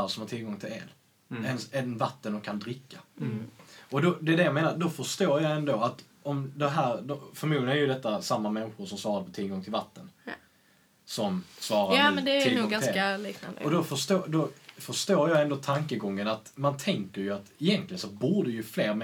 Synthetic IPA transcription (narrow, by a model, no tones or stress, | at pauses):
asɔmhat̪ʰɪlɡɔŋt̪ʰɪlɛ̰n | ɛnɛɛnvat̪ːənd̪ɔmkʰand̪ɾɪkːa | ɔd̪ɔd̪ɛːd̪ɛjameːnaɾd̪ɔfœʂt̪oːɾjɑɛnd̪oːat̪ | ɔmd̪ɛɦæːɾd̪ɔfœɾmuːd̪lɪɡənæɾjɵd̪ɛt̪ːasamːamɛnɧʊʂɔmsvɑːɾad̪əpʰɔt̪ʰɪlɡɔŋt̪ʰɪlvat̪ːən | sɔmsvɑːɾadnd̪ɛɪlːɔŋɡaɪaliːkna̰nd̪ɔd̪ɔfœʂt̪oːd̪ɔfœʂt̪oːɾjɑːɛnd̪oːt̪ʰaŋkəɡɔŋːənat̪mant̪ʰɛŋkəɾjɵat̪ɪjɛnt̪lɪɡənsɔbuːɖəjɵfleːɾm